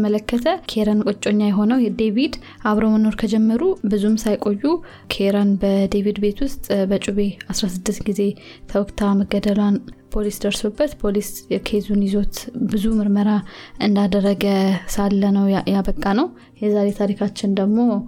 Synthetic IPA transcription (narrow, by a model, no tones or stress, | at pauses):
əmələkʰːət̪ʰəkʰeɾankʼot͡ʃʼo̞ɲːajɛɦo̞nəwjɛd̪eβid̪ | ʔaβɾo̞məno̞ɾkʰəd͡ʒɛmːəɾubɨzumsajkʼo̞jːu | kʰeɾanbəd̪eβid̪be̞t̪ʰwʊst̪ʼbət͡ʃʼuβe̞asɾasɨd̪ːɨst̪ɡize̞ | t̪ʰəwɔkt̪ʰaməɡːəd̪əlanpʰo̞lisd̪əɾsobːət̪pʰolisjɛkʰezunizo̞t̪bɨzumɨɾməɾaʔɨnd̪ad̪ərːəɡəsalːənəwjabəkʼːanəw | jɛzaɾe̞t̪ʰaɾikʰat͡ʃːɪnd̪əɡmo̞